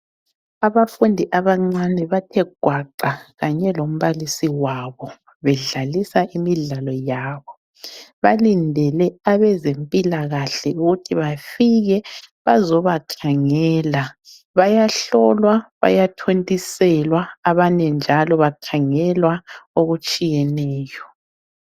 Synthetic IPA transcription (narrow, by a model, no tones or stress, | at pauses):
aβafundʱiʔaβaŋ͡ǀanɛβatʰɛɡ̥ʱwaǃaɣaɲɛlom̩βalisiwaβɔ | βɛɮalisaʔimiɮalɔjaːβɔ | βalindʱɛlɛaβɛzempʼilaɣaɬɛuɣutʰiβafiɣɛβazɔβakʰaŋɛːla | βajaɬɔlwaβa̰jatʰontʼisɛlwaːβaɲɛnd͡ʒʱalɔβakʰaŋɛlwaoɣut͡ʃʼijɛnɛːjɔ